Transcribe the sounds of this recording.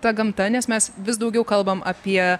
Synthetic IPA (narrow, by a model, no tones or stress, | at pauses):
t̪ɐɡɐmt̪ɐnʲɛsmʲɛsʋʲɪsd̪ɐʊɡʲɛʊkɐlˠbɐmʔɐpʲiɛ